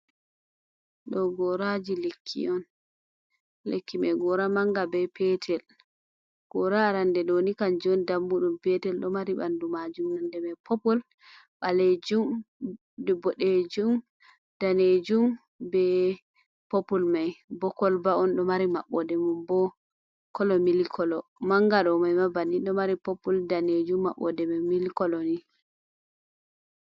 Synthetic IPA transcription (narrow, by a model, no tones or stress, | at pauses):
ɗɔɡɔɾad͡ʒilekʰːḭɔn | lekːimɛɡɔɾamaŋɡabɛpɛtʰɛl | ɡ̥ɔɾaɾandɛɗonikand͡ʒɔndamːuɗumpɛtɛlɗɔmaɾiɓa̰ndumad͡ʒumnandɛmɛpʰɔpɔl | ɓaled͡ʒum | bɔɗed͡ʒum | d̥aned͡ʒum | bɛ | populmajbɔkɔlbaɔnɗɔmaɾimaɓːɔdɛmumbɔ | kɔlɔmilikʰɔlɔmaŋɡaɗɔmajmabaniɗɔmaɾipopːuldaned͡ʒumːa̰ɓɔ̰dɛmamilkɔlɔni